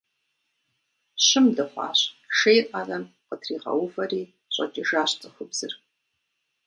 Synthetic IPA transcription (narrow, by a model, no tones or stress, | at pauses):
ɕɪmdɨχʷɑ̰ːɕʃejrʼɐrɐm | qətʰriːʁɐ̰wʊvɐriː | ɕʷʼɐ̰t͡ʃʼɪʒaːɕt͡sʼɨxʷʊbz̥ɨ̰r